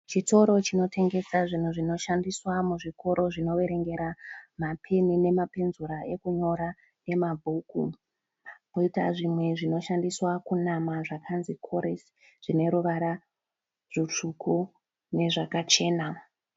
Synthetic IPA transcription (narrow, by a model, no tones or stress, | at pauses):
t͡ʃito̞ɾo̞t͡ʃino̞tʰe̞ŋɡe̞saʐin̤uʐino̞ʃandiswamuʐiko̞ɾʔo̞ʐino̞ʋe̞ɾe̞ŋɡe̞ɾamapʰe̞nine̞mapenzuɾae̞kuɲo̞ɾa | ne̞mabʱuːkṵ | boitaʐimwe̞ʐino̞ʃandiswakunamaʐakʰanzikʰo̞ɾes | ʐ̥ine̞ɾuʋaɾa | ʐit͡ʂukʰu | ne̞ʐakat͡ʃe̞ːna